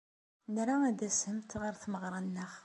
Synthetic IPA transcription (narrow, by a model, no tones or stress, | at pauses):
nɾaæd̪æshəmt̪ʁəɾθməʁɾˤɑnːəχ